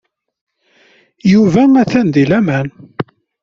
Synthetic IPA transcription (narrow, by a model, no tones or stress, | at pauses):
juvænæθænd̪ilæmæn